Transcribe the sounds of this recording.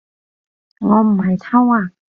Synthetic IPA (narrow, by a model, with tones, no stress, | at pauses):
ŋɔː˨˧˥m̩˨˩ha˨˩jt̪ʰa˥˩wa˧˩